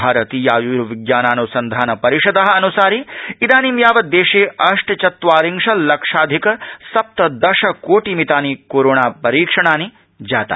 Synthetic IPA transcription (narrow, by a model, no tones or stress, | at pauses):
bʱaːɾɐt̪iːjaːjuːɾuʋiɡjaːnaːnusɐnd̪ʱaːnɐpɐɾiʂɐd̪ɐɦɐ̆ɐnusaːɾiid̪aːnimjaːʋɐd̪d̪ːeːʂeːʔɐʂʈt͡ʃɐt̪ʋaːɾiŋʂɐlɐkʂaːd̪ʱikɐsɐp̚t̪ɐd̪ɐʃɐkoːʈiːmit̪aːnikoːɾoːɳaːpɐɾiːkʂɐɳaːni | d͡ʒaːt̪a̰ː